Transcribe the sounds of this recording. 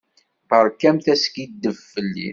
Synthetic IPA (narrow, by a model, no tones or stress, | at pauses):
θəɾˤkːæmθæskid̪ːəvfəlːḭ